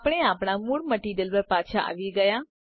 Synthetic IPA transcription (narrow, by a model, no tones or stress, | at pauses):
pɽ̃eaːpɽ̃amuɽməʈid̪ɪlʋəɾpaːt͡ʃʰaʔa̰ʋiɡɐja